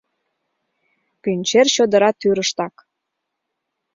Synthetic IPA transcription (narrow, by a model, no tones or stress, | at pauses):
kynʲt͡ɕerɕod̪ə̆ɾɑt̪ːyɾəʃt̪ɑk